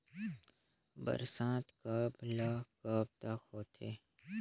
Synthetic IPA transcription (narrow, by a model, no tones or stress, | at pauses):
bə̰ɾsãːt̪kablaːkəb̚t̪əkɦoːt̪ʰeː